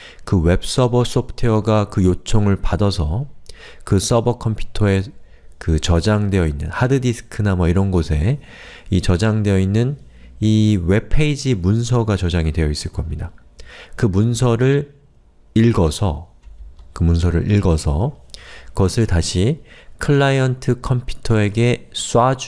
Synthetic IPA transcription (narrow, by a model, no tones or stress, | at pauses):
kɯwe̞p̚s͈ʌbʌs͈ʌpʰɯ̥tʰeʌɡakɯjot͡ɕʰoŋɯɭpadʌsʰʌ | kɯs͈ʌbʌkʰʌmpʰju̥tʰʌe̞ | kɯt͡ɕʌd͡ʑaŋde̞jʌinːɯnhadɯdisʰɯ̥kʰɯnamʌiɾʌnɡosʰe̞ | it͡ɕʌd͡ʑaŋde̞ʌinːɯn | iwe̞pʰeid͡ʑimunsʰʌɡat͡ɕʌd͡ʑaŋidwe̞jʌis͈ɯɭk͈ʌmɲida | kɯmunsʰʌɾɯɭ | iɭɡʌsʰʌ | kɯmuns̬ʰʌɾɯ̰ɾʔiɭɡʌsʰʌ | kʌsʰɯɭtaɕʰikʰɯɭːajʌntʰɯkʰʌmpʰju̥tʰʌe̞ɡe̞s͈wad͡ʑ